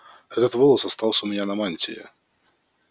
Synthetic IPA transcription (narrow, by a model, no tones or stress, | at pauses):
ɦɛt̪ɐt̪vɔlˠɐsɐst̪ɑlˠsʲɐumʲɪnʲanɐmanʲt͡sʲɪ̰jɛ̰